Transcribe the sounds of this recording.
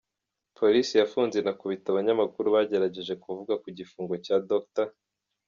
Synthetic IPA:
pʰo̞ɾisijafuːnze̞nakuβitaβaɲamakuɾuβaɟe̞ɾaɟe̞ʒe̞kuvuɡakuɟifuːŋɡo̞caːdok̚ta

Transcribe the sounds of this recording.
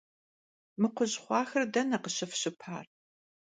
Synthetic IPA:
mɨqʷʊʑχʷɑːxɐrdɐnɐqəɕɪfɕɪpʰa̰ːr

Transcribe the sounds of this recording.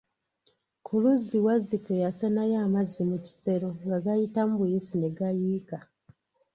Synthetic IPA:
kʰuluziwazikejasanajaːmazimuci̥se̞ɾoŋɡaɡajitamuβujisineɡajiːka

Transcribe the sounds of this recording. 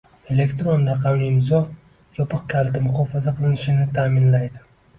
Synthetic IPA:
e̞le̞kt̪ɾonɾɑqʰɑwnɪɪmzɒ | jɒpʰɨq̚kʲʰalt̪ɪmʊχɒfazaqʰɨlˠɪnɪʃɪnɪt̪ʰaːmɪnlajd̪ɪ

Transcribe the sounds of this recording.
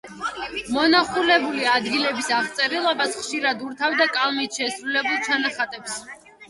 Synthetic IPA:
mɔnaχulɛbuliad̪ɡilɛbisaʁt̪sʼɛɾilˠɔbasχʃiɾad̪uɾt̪ʰavd̪akʼalˠmit̪ʰʃɛsɾulɛbulˠt͡ʃʰanaχat̪ʼɛps

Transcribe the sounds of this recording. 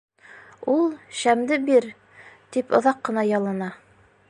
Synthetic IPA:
ulˠʃæmd̪ɘbiɾ | t̪ipŏ̰ðɑqːɤ̆nɑjɑlˠɑnɑ

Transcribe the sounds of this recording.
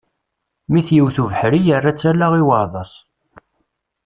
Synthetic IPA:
miθjəwθuvəħɾijərːat͡sːælaʁiwɑðˤɑsˤ

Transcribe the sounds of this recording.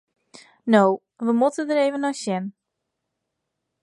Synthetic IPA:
now | ʋəmutədəɾeːvənɔjsjɛn

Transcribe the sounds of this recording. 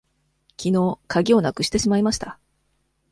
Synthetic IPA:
kʲʰino̞ːkʰaɡʲio̞nakɯ̟ɕi̥t̪e̞ɕimaimaɕi̥t̪a

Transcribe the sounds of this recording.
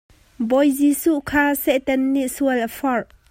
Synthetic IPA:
bɔjzisuʔkʰaːsɛʔt̪ɛnːiʔsuəlʔəfɔrʔ

